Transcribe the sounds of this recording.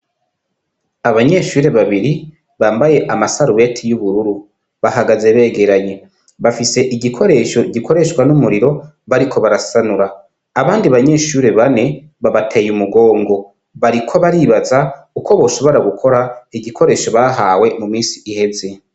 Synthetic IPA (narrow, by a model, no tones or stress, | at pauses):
aβaɲe̞ʃuːɾe̞βaβiɾi | βaːmbaje̞ʔamasaɾuβe̞tʰijuβuɾuɾu | βaɦaɡaze̞βe̞ːɡe̞ɾaɲe̞ | βafise̞ʔiɟikʰo̞ɾe̞ʃo̞ɟikʰo̞ɾe̞ʃkwanumuɾiɾo̞ | βaɾikʰo̞βaɾasanuɾaː | βaːndiβaɲe̞ʃuːɾe̞βane̞ | βaβatʰeːjumuɡo̞ːŋɡo̞ | βaɾikʰo̞βaɾiːβaza | uko̞βo̞ːso̞βo̞ɾaɡukʰo̞ɾaiɟikʰo̞ɾe̞ːʃo̞βaɦaːwe̞mumiːsiʔihe̞ze̞